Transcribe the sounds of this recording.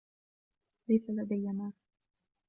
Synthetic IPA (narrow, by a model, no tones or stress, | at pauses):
lajsalad̪ajːamaː